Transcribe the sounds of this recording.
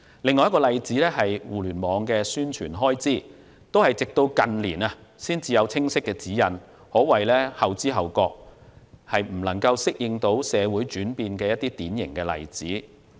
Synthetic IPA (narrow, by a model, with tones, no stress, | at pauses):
lɪ˨ŋː˨˧jɐ˥kɔː˧lɐ˨jt͡siː˨˥lɛː˥hɐ˨jwuː˨˩lyː˨˩nmɔː˨˧ŋkɛː˧syː˥nt͡ʃʰyː˨˩nɦɔː˥jt͡siː˥˩ | t̪o˥whɐ˨jt͡sɪ˨k̚t̪o˧wkɐ˨nlḭː˨˩nɐ˧siː˥nt͡siː˨jɐ˨˧wt͡sʰɪ˥ŋsɪ˥kːɛː˧t͡siː˨˥jɐ˨n | hɔː˨˥wɐ˨jlɛː˥hɐ˨wt͡siː˥ɦɐ˨wkɔː˧k̚hɐ˨jm̩˨˩lɐ˨˩ŋkɐ˧wsɪ˥k̚jɪ˨ŋt̪o˨˥wsɛː˨˧wuː˨˥jt͡ʃyː˨˥npiː˧nkɛː˧jɐ˥t̪̚iː˥t̪iː˨˥njɪ̰˨˩ŋkɛː˧lɐ̰˨jt͡siː˨˥